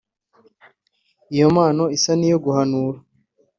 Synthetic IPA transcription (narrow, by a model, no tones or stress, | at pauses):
ijo̞maːno̞isanijo̞ɡuhanuːɾa